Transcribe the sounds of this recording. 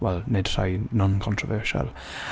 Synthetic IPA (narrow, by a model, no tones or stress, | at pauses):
wɛlnɪdsa̰ɪnə̃nkʰɔ̃ntʰɹ̥əvɜːˑʃə̰l